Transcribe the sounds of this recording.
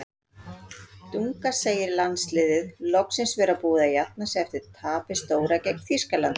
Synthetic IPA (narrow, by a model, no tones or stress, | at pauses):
t̪uŋkaseːjɪɾlanslɪːðɪðlɔksɪnsvɛːɾapuːðajat̪̚nasɛɛft̪ɪɾ̥t̪ʰaːpɪst̪oːwɾacɛkn̥θiskalant̪